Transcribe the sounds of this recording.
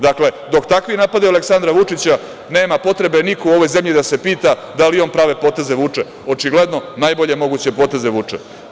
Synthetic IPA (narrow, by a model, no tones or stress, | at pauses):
d̪akle̞d̪o̞kt̪akʋinaːpad̪ialeksand̪ɾaʋut͡ʂit͡ɕa | neːmapo̞t̪ɾe̞be̞nikouo̞ʋo̞jze̞mʎid̪ase̞piːt̪ad̪alionpɾaʋe̞po̞ːt̪e̞zeʋut͡ʂe | o̞t͡ʃiɡle̞d̪nonaːjbo̞ʎe̞mo̞ɡut͡ɕe̞po̞ːt̪e̞zeʋut͡ʂḛ